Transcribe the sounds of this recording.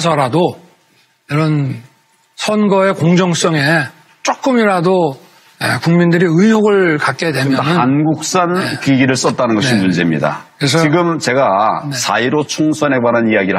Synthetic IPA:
sʰʌɾado | iɾʌn | sʰʌnɡʌe̞koŋd͡ʑʌŋs͈ʌŋe̞ | t͡ɕ͈ok͈ɯmiɾado | ḛkuŋmindɯɾiɯɲjoɡɯɭkat̚k͈edwe̞mjʌɯanɡuk̚s͈anekiɡiɾɯɭs͈ʌt̚t͈anɯnɡʌɕʰinmund͡ʑe̞mɲḭda̰kɯɾes̬ʰʌiɡɯmt͡ɕe̞ɡaesaiɾot͡ɕʰoŋsʰʌne̞baɾanijaɡiɾ

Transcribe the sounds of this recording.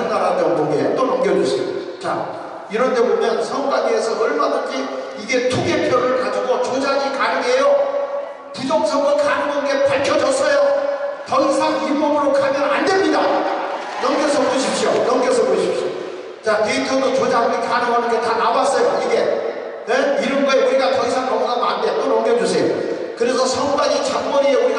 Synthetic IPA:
naɾadʌkoŋɡeɦet͈onoŋɡjʌd͡ʑuɕʰjo̰ | t͡ɕa | iɾʌntʰe̞bomjʌnsʰʌŋoɡadeesʰʌʌɭmakʰaɡʰi | iɡe̞tʰuɡepʰjʌɾɯɭkad͡ʑiɡot͡ɕod͡ʑaɲikanɯɡejo | tidok̚s͈ʰʌɡɯɭkanɯɡɯnɡepaɭkʰjʌd͡ʑʌs͈ʌjotʌŋisʰaŋibʌmɯɾokʰamjʌnandemɲida | jʌŋɡjʌsʰʌpoɕʰipɕ͈ijojʌŋɡʌs̬ʰʌpoɕʰip̚ɕ͈ijo | t͡ɕaneitʰɯdot͡ɕod͡ʑabɯɾikanɯwanɯnɡetanabas͈ʌjoiɡe̞ | neiɾɯmɡʌeuɾiɡatʌŋisʰaŋkʌŋnamandet͈oɾʌŋɡjʌd͡ʑus̬ʰejo | kɯɾesʰʌsʰʌŋɡaɲit͡ɕaŋmʌɲin

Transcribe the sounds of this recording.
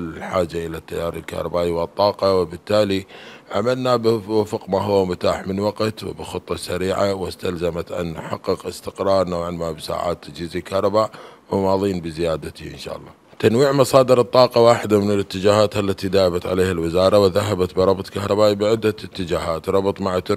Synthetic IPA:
ħaːd͡ʒaʔɪlat̪ːajːaːɾˤɪ̰lka̰hɾˤɑbaːʔiwɨt̪ˤːɑːqɑwɪbɪt̪ːaːliʕamalnabɪwafqmaːɦʊwːamʊt̪aːħmɪnwaqt̪wɪ̰bɪxʊt̪ˤːɑsaɾiːʕawɪst̪alzamat̪ʔa̰nːħɑ̰qːɪqɪst̪ɪqɾˤɑːɾˤnawʕɪnmabsa̰ːʕa̰ːt̪ːad͡ʒiːzilkahɾˤɑbaːʔwɪmɑːðˤiːnbɪzɪjaːd̪at̪ḭʔɪ̰nʃa̰ːʔɑlˤːɑ̰ | t̪anwiːʕmɑsˤɑːd̪əɾɨt̪ˤːɑːqɑwaːħɪd̪amɪnɪlɪt̪ːɪd͡ʒaːhaːt̪alːat̪id̪aːʔɪbat̪ʕaleːhalwɪzɑːɾˤɑwɪðaɦabat̪bɪɾˤɑbt̪ˤkahɾˤɑbaːʔibɪʕɪd̪ːat̪ːɪd͡ʒaːɦaːt̪ɾˤɑbɨt̪ˤmaʕat̪

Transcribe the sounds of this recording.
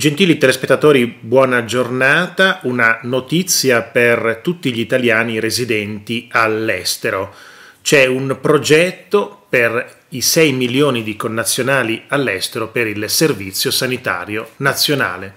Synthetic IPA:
d͡ʒent̪iːlit̪elespet̪ːat̪oːɾibwɔːnad͡ʒornaːt̪aunanot̪it̪sːjapert̪ut̪ːiʎiit̪aljaːniɾezid̪ɛnt̪ialːɛst̪eɾo | t͡ʃɛumpɾod͡ʒɛt̪ːoper | isɛjmiljoːnid̪ikonːat̪sːjonaːlialːɛst̪eɾopeɾilservit̪sːjosanit̪a̰ːɾjonat̪sːjona̰ːle

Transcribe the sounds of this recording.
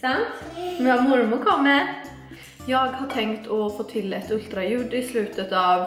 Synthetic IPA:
sɑnt̪nɑmʊɾmʊɾkʰɔmːə | jɑːɡhɑʈʰɛŋt̪ʰɔfoːt̪ʰɪlɛt̪ʉlt̪ɾɑjʉɖ̪ːɪslʉːt̪ət̪ɑːʋ

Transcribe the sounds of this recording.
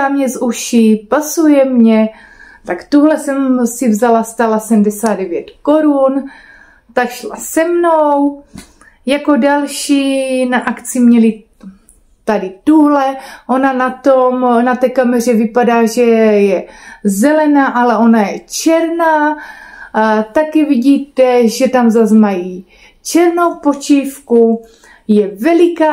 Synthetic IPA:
amɲɛzuʃipasujɛmɲɛ | t̪akt̪uɦlɛsɛmsɪvzalast̪alasɛmdɛsaːd̪dɛvjɛt̪ko̞ɾun | t̪akʃla̰sɛmnow | jako̞dalʃiːnaʔakt͡simɲɛli | t̪adɪt̪uɦlɛʔo̞nanat̪omnat̪ɛːkamɛr̝ɛvɪpadaːʒɛjɛzɛlɛnaːʔalɛʔo̞najɛt͡ʃɛɾnaː | t̪akɛvɪɟiːt̪ɛʒɛt̪amzazmaji | t͡ʃɛɾnowpot͡ʃiːfku | jɛvɛlɪkaː

